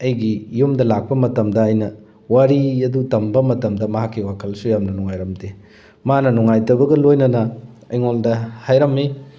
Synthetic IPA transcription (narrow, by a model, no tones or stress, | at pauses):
ɐjɡijumdɐlak̚pɐmɐtɐmdɐːjnɐ | waɾiɐdutɐmbɐmɐtɐmdɐmɐɦakːiwakʰɐlsujamnɐnuŋajɾɐmde | manɐnuŋajtɐbɐɡɐlojnɐnɐ | ɐjŋoldɐhajɾɐmːi